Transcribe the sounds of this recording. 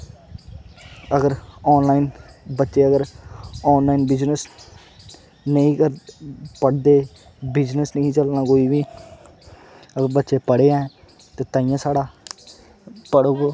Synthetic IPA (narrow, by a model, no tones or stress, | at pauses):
əɡəɾɔːnlaːinbətːʃeːəɡəɾɔːnlaːiːnbɪd͡ʒnəs | nəĩːkəɾpəɽd̪eː | bɪd͡ʒnəsnəĩːt͡ʃəlnãːkoːiːʋiː | əɡəɾbətːʃeːpəɽeːãɛ̃ː | t̪eːt̪ãːɪ̃jãːsaːɽaː | pəɽoːɡoː